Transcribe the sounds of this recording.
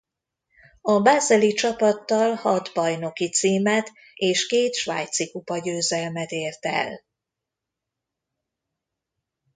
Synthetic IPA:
ɒbaːzɛlit͡ʃɒpɒt̪ːɒlhɒd̪bɒjno̞kit̪siːmɛt̪ | eːʃkeːt̪ʃʋa̰ːjt̪sikupɒɟøːzɛlmɛt̪eːrt̪ɛ̰l

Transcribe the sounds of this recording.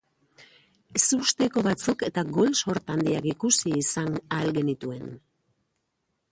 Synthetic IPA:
esust̪e̞ko̞βat͡suke̞t̪aɡo̞lso̞ɾt̪and̪iakikusiːsanalɡe̞nit̪ue̞n

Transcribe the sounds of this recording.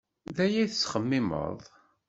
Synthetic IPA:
ðæjæθəsːχəmːɪmə̰ðˤ

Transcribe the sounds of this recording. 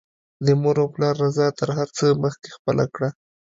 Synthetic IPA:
d̪əmoɾoplɑɾːazɑt̪əɾɦaɾt͡səməxke̥xpəlʔa̰kɽa

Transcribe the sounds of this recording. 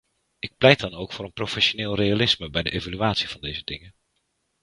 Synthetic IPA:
ɪk̚plɛjt̚dɑnowkfʊːɾənprofɛʃonɪːlˠrejalɪsməbɛjdəʔejvalyaːtsivɑndejzədɪŋə

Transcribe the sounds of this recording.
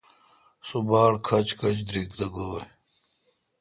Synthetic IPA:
subaːɽkʰɐt͡ɕkʰɐt͡ɕd̪ɾikd̪ɐɡoːj

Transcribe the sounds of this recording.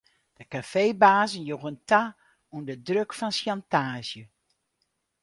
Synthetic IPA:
d̥əkafeːbaːzənjoɣənta | undədrøkfɔnsjantaːzjə

